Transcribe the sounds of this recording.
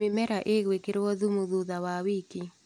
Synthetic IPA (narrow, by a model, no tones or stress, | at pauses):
ɪmɛɾaʔeɡwekɪɾwɔðumuðuðawawiki